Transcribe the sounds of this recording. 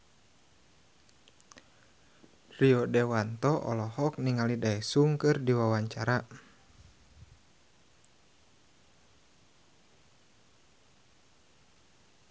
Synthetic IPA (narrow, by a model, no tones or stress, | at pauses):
riɔdɛwant̪ɔʔɔ̰lɔhɔk̚niŋalidaɛsuŋkɨrdiwawaɲt͡ʃaɾa